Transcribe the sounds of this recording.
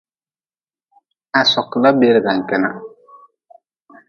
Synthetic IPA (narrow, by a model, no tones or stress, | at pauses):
asɔklabeɾɡaŋkɛna